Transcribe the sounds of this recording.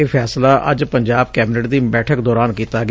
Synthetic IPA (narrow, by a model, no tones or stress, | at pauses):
eːpʰɛːslaːʔə̰d͡ʒpəɲd͡ʒaːb̚kɛːbɪnəʈd̪iːbɛːʈʰəkd̪ɔːɾaːnkiːt̪aːɡ